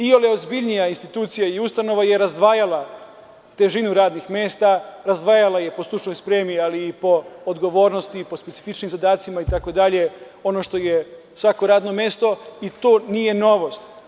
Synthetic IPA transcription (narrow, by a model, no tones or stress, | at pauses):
ioleozbiʎnijainst̪it̪uːt̪sijaiust̪ano̞ʋajeɾazd̪ʋaːjala | t̪e̞ʒinuɾaːd̪nixme̞ːst̪aɾazd̪ʋaːjalaje̞po̞slˠut͡ʃnojspɾe̞ːmialiːpo̞ːd̪ɡo̞ʋo̞ːɾno̞st̪ipo̞spesi̥fit͡ʃnimzad̪aːt̪simait̪akod̪aʎe̞ | o̞noʃt̪o̞je | sʋako̞ɾaːd̪no̞me̞ːst̪o̞it̪oːnije̞no̞ʋo̞st̪